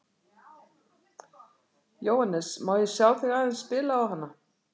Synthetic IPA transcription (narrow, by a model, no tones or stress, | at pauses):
joːwhanːɛsmaːwðɪsjaːwθɪɣaːðɪnspɪːlaːwɦanːa